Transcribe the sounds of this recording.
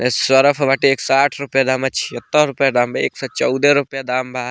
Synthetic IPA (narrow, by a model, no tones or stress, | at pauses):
eswəɾəpʰʋaːʈieːksɔaːʈʰɾʊpjad̪aːmɐt͡ʃʰi̥ət̪ːɔɾʊpjad̪aːmbḛːksɔt͡ʃɔʊd̪eɾʊpjad̪aːmbʱaː